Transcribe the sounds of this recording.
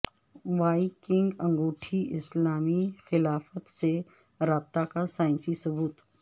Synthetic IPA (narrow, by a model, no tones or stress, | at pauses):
ʋaːikɪ̃ŋɡɐ̃ŋɡoːʈʰiʔɪslaːmixɪlaːfət̪se | ɾaːb̚t̪akasaːɪ̃nsisɐbuːt̪